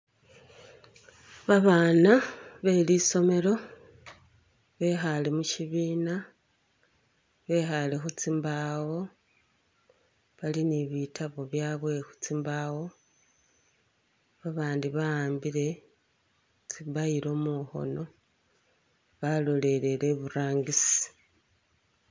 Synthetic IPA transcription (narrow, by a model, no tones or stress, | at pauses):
βaβaːnaβe̞liso̞me̞lo̞ | βe̞xalemuciβiːna | βe̞xale̞xut͡simbawo̞ | βaliniβitʰaβo̞βjaːβwe̞xu̥t͡simbawo̞ | βaβaːndiβaaːmbiɾe̞ | t͡siβaiɾo̞ːmuxo̞̰no̞ | βalo̞le̞le̞le̞βuɾaːŋɡisi̥